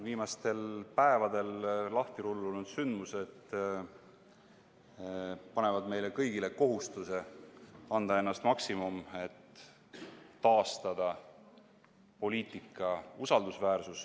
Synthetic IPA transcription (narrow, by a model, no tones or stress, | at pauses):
viːmɑst̪e̞lpæe̞vɑd̪e̞llɑht̪iɾulːulnud̪̥synd̪muse̞t̪ː | pɑne̞vɑd̪me̞jle̞kɤjɡile̞ko̞ɦust̪use̞ | ɑnd̪ɑe̞nːɑst̪mɑksimume̞t̪ː | ɑːst̪ɑd̪̥ɑ | po̞liːt̪ˑikːˑɑusɑld̪usvæːɾsus